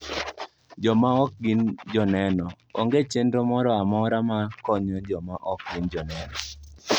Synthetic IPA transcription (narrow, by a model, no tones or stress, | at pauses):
d͡ʒɔmaɔk̚ɡɪnd͡ʒɔnɛnɔ | oŋɡet͡ʃendomɔɾɔamɔɾamakɔɲɔd͡ʒɔmaʔɔk̚ɡɪnd͡ʒɔnɛnɔ